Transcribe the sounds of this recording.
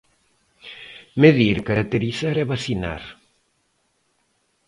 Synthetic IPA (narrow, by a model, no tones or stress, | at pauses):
meðiɾkaɾak̚t̪eɾiθaɾɛβasina̰ɾ